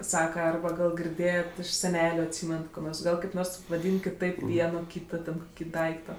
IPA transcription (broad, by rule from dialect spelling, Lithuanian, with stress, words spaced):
ˈsɑːkɐ ˈɐrbɐ ˈɡɐlˠ ɡʲɪrʲˈdʲeːjɛtʲ ɪʃ sʲɛˈnʲæːlʲʊ ɐtʲˈsʲiːmʲɛnɐt ˈkoː ˈɡɐlˠ kɐɪp ˈnoːrs ʋɐˈdʲiːn kʲɪˈtɐɪp ˈʋʲiɛnoː ˈkʲiːtoː tʲɛn ˈkoːkʲɪ ˈdɐɪktoː